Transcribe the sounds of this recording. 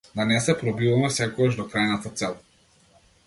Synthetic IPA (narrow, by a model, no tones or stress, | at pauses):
d̪anɛsɛpɾɔbivamɛsɛkɔɡaʒd̪ɔkɾajnat̪at̪sɛlˠ